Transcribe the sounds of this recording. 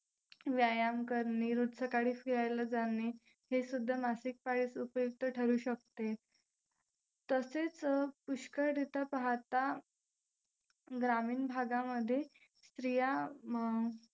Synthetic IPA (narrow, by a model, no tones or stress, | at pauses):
ʋjajamkəɾniːɾud̪səkaɽ̤iːfiɾajləd͡zani | hesud̪ʱːamasik̚paɽiːsupjuk̚t̪əʈʰəɾuːɕək̚t̪e | t̪əset͡spuɕkəɾd̪it̪əpaɦat̪a | ɡɾamiːnbʱaɡaməd̪ʱːje | st̪ɾija